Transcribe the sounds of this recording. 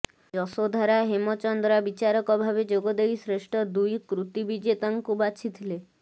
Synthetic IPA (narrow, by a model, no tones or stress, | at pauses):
d͡ʒɔsod̪ʱaɾaɦemɔt͡ʃɔnd̪ɾabit͡ʃaɾɔkɔbʱabed͡ʒoɡɔd̪ejsɾeʃʈʰɔd̪ujkɾut̪ibid͡ʒet̪aŋkubat͡ʃʰit̪ʰile